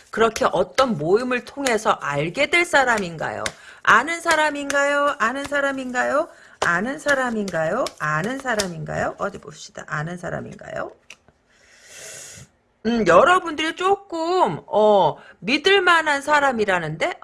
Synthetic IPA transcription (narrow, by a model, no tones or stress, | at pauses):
kɯɾʌkʰe̞ʔʌt͈ʌnmoimɯɭtʰoŋɦe̞sʰʌʔaɭɡe̞dweɭs͈aɾaminɡa̰jo̰anɯnsʰaɾaminɡajoʔanɯnsʰaɾaminɡajo | anɯnsʰaɾaminɡajoanɯnsʰaɾaminɡa̰joʔʌdiboɕ͈i̥d̥a̰ʔanɯnsʰaɾa̰mḭnɡa̰jo̰ | ɯjʌɾʌbundɯɾit͡ɕ͈ok͈ɯmʌːidɯɭmanɦansʰaɾamiɾanɯnde̞